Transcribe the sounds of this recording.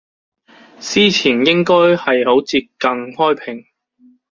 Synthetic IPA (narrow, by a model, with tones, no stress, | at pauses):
siː˥t͡sʰiː˨˩njɪ˥ŋkɔː˥jhɐ˨jho˨˥wt͡siː˧p̚kɐ˧ŋhɔː˥jpʰɪ˨˩ŋ